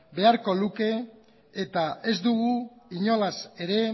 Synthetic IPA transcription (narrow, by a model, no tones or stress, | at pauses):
be̞aɾko̞luke̞ː | t̪ae̞zd̪uɣuiɲo̞lase̞ɾe̞